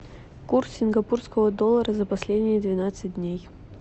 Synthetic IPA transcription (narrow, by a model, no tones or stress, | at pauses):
kurssʲɪnɡɐpurskəvəd̪olˠːəɾəzəpɐsʲlʲedʲnʲɪjəd̪vʲɪnat̪sɨt̚ʲdʲnʲej